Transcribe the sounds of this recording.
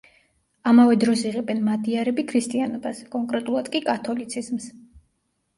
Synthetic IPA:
amavɛd̪ɾɔsiʁɛbɛnmad̪iaɾɛbikʰɾist̪ʼianɔbaskʼɔŋkʼɾɛt̪ʼulˠad̪kʼikʼat̪ʰɔlit̪sʰizms

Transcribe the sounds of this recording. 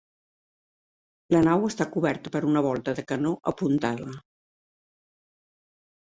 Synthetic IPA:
lənawəst̪akuβɛɾt̪ə̥pəɾunəβ̞ɔlˠt̪əðəkənoʔəpunt̪aðə

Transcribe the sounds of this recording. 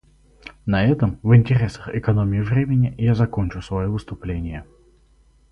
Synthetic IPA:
nɐɛt̪əmvɨnʲtʲɪɾʲe̞səxɪkɐnomʲɪɪvɾʲemʲɪnʲɪjazɐko̞nʲt͡ɕʊsvɐjovɨst̪ʊplʲenʲɪjə

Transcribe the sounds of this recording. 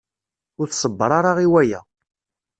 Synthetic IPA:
ʊɾθsˤəbːəɾˤaɾˤaʁiwæjæ̰

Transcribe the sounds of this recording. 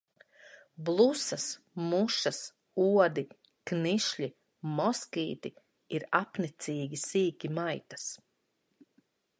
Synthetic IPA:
blˠusas | muʃɐs | uɔd̪i | kniʃʎʲi | mɔskʲiːt̪i | iɾapnit̪siːɡʲisiːkʲimajt̪ḁs

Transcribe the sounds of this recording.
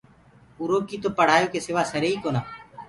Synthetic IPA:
ʊɾoːkiːt̪oːpəɽ̤aːjõːkesɪʋaːsəɾeːiːkoːnaː

